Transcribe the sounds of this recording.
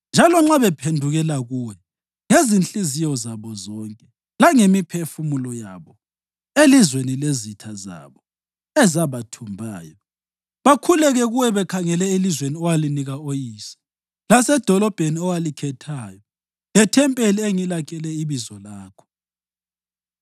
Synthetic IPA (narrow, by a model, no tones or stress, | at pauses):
nd͡ʒʱalɔŋ͡ǁaβɛpʰendʱuɣɛlaɣuwɛ | ŋezint͡ɬʼizijɔzaβɔzɔŋkʼɛ | laŋemipʰefumulɔja̰βɔ | elizwenilezitʰaza̰βɔ | ɛzaβatʰumbʱaːjɔ | βakʰulɛɣɛɣuwɛβɛkʰaŋɛlɛilizweniɔwaliniɣaojiːsɛ̥ | lasɛd̥ʱɔlɔb̥ʱeniɔwalikʰɛtʰaːjɔ | lɛtʰɛmpʼelieŋilakʰɛlɛiβizɔlaːkʰɔ̥